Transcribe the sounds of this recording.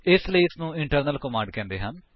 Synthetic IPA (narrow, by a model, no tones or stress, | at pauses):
ɪsləiːɪsnũːɪɳʈəɾnəlkomãːɳɖ̚kɛ̃ːnd̪eːɦən